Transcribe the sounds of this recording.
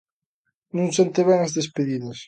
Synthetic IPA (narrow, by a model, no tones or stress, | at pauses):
nũŋsent̪eβɛŋazðespeðiðɐs